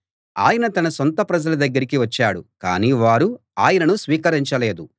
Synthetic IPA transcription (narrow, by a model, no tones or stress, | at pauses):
a̰ːjɐnɐt̪ɐnɐsont̪ɐpɾɐd͡ʒɐlɐd̪ɐɡːɐɾikiʋɐt͡ʃːaːɽuka̰ːniːʋaːɾu | aːjɐnɐnusʋiːkɐɾiɲt͡ʃɐleːd̪u